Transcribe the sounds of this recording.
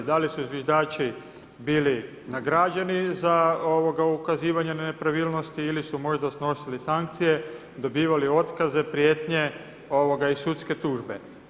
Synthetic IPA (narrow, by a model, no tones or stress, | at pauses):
d̪alisuzʋjeʒd̪aːt͡ʃi | biːli | naɡɾad͡ʒanizao̞ʋo̞ɡaukaziːʋaɲenepɾaʋiːlˠno̞st̪iilisumo̞ʒd̪asno̞silisaŋkt̪sije̞ | d̪o̞biːʋalio̞t̪kaze̞pɾjeːt̪ɲe̞ | oʋo̞ɡaisut̪ske̞t̪uːʒbe̞̰